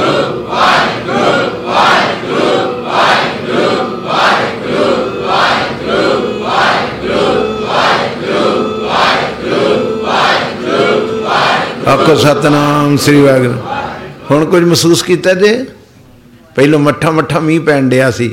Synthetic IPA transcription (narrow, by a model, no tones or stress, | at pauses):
aːkʰoɾsaːt̪ɐnaŋsɪɾiʋaːɡnhʊñkʊd͡ʒʱmɐsuːskiːt̪ad̪eː | pɐɪlomɐʈʰãmɐʈʰãmĩːpɛñɗejaːsiː